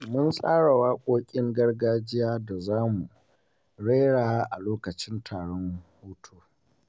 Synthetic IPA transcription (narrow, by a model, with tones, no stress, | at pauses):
mʊ˦nsʼaː˦ɽa˨waː˦kʷʼoː˦kʲʼɪ˦ŋɡɐ˦rɡaː˦d͡ʒɪ˦jaː˦da˨zaː˦mu˨ | ɽe˦jɽaː˨wa˦ʔa˨loː˦kɐ˨t͡ʃɪ˦ntʰaː˨ɽɔ˦ŋhuː˦tʰoː˦